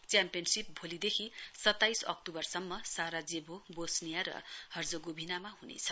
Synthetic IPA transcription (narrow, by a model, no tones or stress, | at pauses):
t͡sjampijʌnsip̚bʱolid̪ekʰisʌt̪ːajsʌ̰k̚tubʌrsʌmːʌsaɾad͡zebʱobosnijaɾʌ̰hʌrd͡zoɡobʱinamaɦunḛt͡sʰʌ̥